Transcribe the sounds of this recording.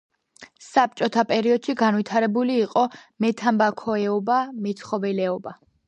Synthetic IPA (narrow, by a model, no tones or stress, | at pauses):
sap̚t͡ʃʼɔt̪ʰapʼɛɾiɔd̪̥ʃiɡanwit̪ʰaɾɛbuliːqʼɔmɛt̪ʰambakʰɔɛɔbamɛt̪sʰχɔvɛlɛɔba